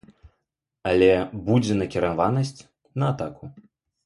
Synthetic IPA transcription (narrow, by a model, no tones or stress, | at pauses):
alʲɛbud͡zʲɛnɐkʲiɾanvanɐsʲt͡sʲ | nɐːt̪aku